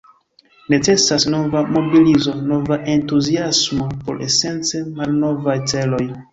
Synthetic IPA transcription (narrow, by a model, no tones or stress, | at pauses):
ne̞t͡se̞sasno̞vamo̞bilizo̞no̞vaʔe̞ntuziasmo̞po̞̰ɾʔe̞̰se̞nt͡se̞malno̞vajt͡se̞lo̞j